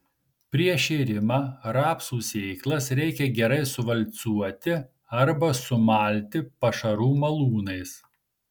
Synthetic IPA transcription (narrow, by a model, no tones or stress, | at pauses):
pʲɾʲiɛʃʲɛɪɾʲɪmɑːɾɑːpsuːsʲɛɪklˠɐsɾʲɛɪkʲɛɡʲɛɾɐɪsʊʋɐlʲt̪suɔt̪ʲɪ | ɐɾbɐsʊmɑːlʲt̪ʲɪpɐʃɐɾuːmɐlˠuːnɐɪs